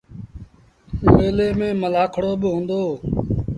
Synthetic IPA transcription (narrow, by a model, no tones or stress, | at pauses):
eːleːmẽːməlaːkʰɽoːɓɪɦõːnd̪oː